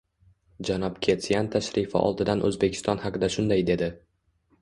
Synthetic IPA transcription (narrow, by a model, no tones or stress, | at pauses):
d͡ʒanɒpkʲʰe̞t̪ʰijant̪ʰaʃɾifɪ̰ʔɒ̰lˠd̪ɪd̪anʔɵ̰zbekʲʰɪ̥st̪ɒnhɑqɨd̪aʃʊnd̪ajd̪e̞d̪ɪ